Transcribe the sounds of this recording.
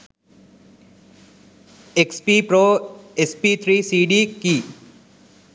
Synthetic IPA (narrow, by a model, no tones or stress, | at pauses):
ekspipɾoespit̪ʰɾisiɖiki